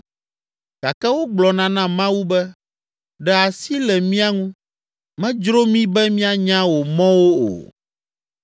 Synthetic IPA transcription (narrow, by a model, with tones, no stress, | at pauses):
ɡ̥a˨kɛ˦wo˦ɡ͡blɔ˨nã˦nã˦mã˦wu˦bɛ˦ | ɖɛ˨a˨si˦lɛ˨mĩ˦a˦ŋũ˦ | mɛ̃˦d͡ʒɾo˦mĩ˦bɛ˦mĩ˦a˦ɲã˦wo˨mɔ̃˦wo˦o̰˨